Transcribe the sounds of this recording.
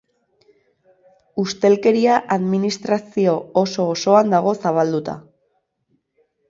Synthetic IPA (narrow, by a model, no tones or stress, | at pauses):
ust̪e̞lke̞ɾiaʔaðminist̪ɾasio̞oso̞ːso̞and̪aɣ̞o̞saβ̞ald̪ut̪a̰